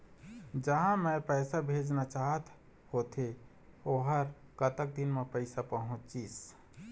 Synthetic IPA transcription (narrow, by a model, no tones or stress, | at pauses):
d͡ʒəɦãmepəɪsabʱed͡ʒnat͡ʃaɦət̪ | hot̪e | oɦəɾkət̪ək̚d̪inmepəɪsapəɦũt͡ʃt͡ʃis